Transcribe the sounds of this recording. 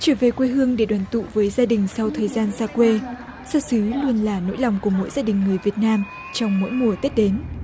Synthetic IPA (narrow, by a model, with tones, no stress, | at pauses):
t͡ɕəː˧˩ve˨˩kwe˧ɦɨ˧əŋɗe˧˩ɗwaː˧˩nt̪ṵ˧˨vəː˨˦jzaː˧ɗï˨˩ŋ̟sa˧wt̪ʰəː˨˩jzaː˧nsaː˧kwe˧ | saː˧sɨː˨˦lu˧ənlaː˨˩no̰˧˥jla˨˩wŋ͡mku˧˩əmo̰˧˥jzaː˧ɗï˨˩ŋ̟ːɨ˨˩əjvi˨˩ət̚naː˧m | t͡ɕɔ˧wŋ͡mmo̰˧˥jmu˨˩ət̪i˦˥t̚ɗe˨˦n